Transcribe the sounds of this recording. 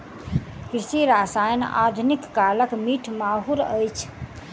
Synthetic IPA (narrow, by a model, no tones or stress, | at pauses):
kɾisiɾasajna̰d̪ʱunikːaləkmiʈʰmaɦuɾəjt͡ʃʰ